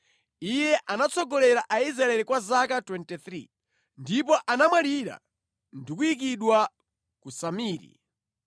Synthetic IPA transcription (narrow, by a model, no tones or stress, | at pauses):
ijɛʔanat͡sʰɔɡɔlɛɾaʔaizɾaɛlikwazakatwɛntit̪ɾi | ndipɔʔanamwaliɾa̰ | ndikuik̬iɗwa | kusamiːɾḭ